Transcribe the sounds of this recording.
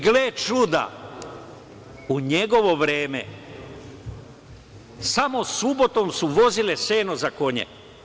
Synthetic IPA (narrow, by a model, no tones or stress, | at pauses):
ɡleːt͡ʃud̪a̰ | uɲe̞ɡo̞ʋo̞ʋɾeːmḛ | samo̞subo̞t̪omsuʋo̞zilese̞ːnozako̞ɲḛ